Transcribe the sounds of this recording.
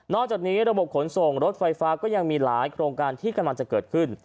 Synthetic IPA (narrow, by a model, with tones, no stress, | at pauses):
nɔː˥˩k̚t͡ɕaː˨˩k̚niː˦˥ɾa˧bo˨˩p̚kʰo˩˦nso˨˩ŋɾo˦˥t̪̚fa˧jfaː˦˥kɔː˥˩ja˧ŋmiː˧laː˩˦jkʰɾoː˧ŋkaː˧nt̪ʰiː˥˩ka˧mla˧ŋt͡ɕa˨˩kɤː˨˩t̪̚kʰɯ˥˩n